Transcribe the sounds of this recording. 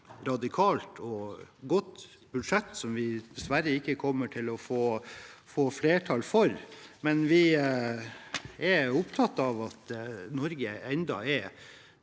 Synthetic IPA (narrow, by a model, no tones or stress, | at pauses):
ɾɑd̪ɪkʰɑːlt̪ʰɔɡɔt̪ː | bʉd̪ʂɛt̪ːsɔmʋɪd̪̥ɛsʋæɾəɪkːəkʰɔmːəʈʰɪlɔfoːfoːfleːʈʰɑlfɔɾmɛnʋɪ | ɛɾʊpt̪ʰɑt̪ːɑʋɑt̪nɔɾɡəɛnd̪ɑ̰ɛ